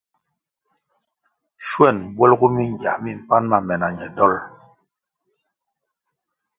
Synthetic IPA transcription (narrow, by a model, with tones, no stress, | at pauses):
ʃwɛ˦˨nbwɛ˦lɡu˦mi˦ŋ˨ɡja̰˨mi˦˨m̩˨pa˦nma˨mɛ˨na˨ɲɛ˨dɔ˦l